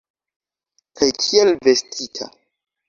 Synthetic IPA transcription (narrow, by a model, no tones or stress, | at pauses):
kʰajkʰielvestʰitʰa̰